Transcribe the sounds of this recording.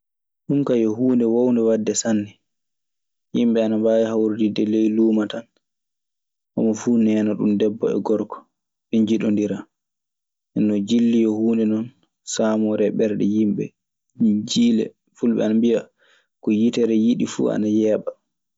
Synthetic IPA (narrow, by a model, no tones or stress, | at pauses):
ɗumkajɔɦuːndɛwowndɛwadːɛsanːɛ | jimɓɛanambaːjhawɾdidɛlɛjluːmatan | ʔɔ̰mɔfuːnɛːnɔɗṵmdɛbːɔ̰ɛ̰ɡɔɾkɔ̥ | ɓɛɲd͡ʒiɗondiɾa | ʔɛnːɔd͡ʒilːijɔhuːndɛnɔn | saːmɔɾɛɓɛɾɗɛ̰jimɓɛ̰ | d͡ʒilɛ̰ | fulɓɛ̰anambija | kɔjitɛɾɛjiɗifṵːa̰najɛːɓa